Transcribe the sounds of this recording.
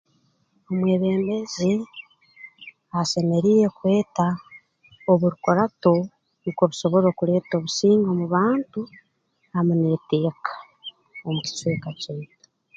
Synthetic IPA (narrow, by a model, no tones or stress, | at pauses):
o̞mweːβe̞ːmbe̞zi | ase̞me̞ɾiːɾe̞kwe̞ːta | oβuɾukoɾato̞ | nikoβuso̞βo̞ɾo̞ːkuɾe̞ːto̞βusiːŋɡomuβaːntu | amunete̞ːkḁ | omuci̥t͡ʃwe̞ːkaceːto̥